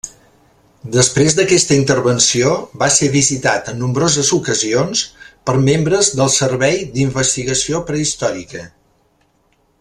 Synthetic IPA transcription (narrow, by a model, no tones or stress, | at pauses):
d̪əspɾezd̪əkɛst̪əint̪əɾβənsioβaseβizit̪at̪ənːumbɾozəzukəzionspəɾmembɾəzðəlˠsəɾβɛjd̪iɱbəst̪iɣəsiopɾəist̪ɔɾikə